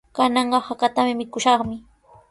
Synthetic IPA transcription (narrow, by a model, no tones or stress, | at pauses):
kanɑɴɢɑhakat̪amɪmɪkʊʃɑχmɪ